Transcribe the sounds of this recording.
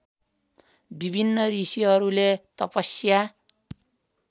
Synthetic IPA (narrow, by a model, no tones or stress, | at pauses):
bibʱinːʌɾisiɦʌɾulet̪ʌpʌsja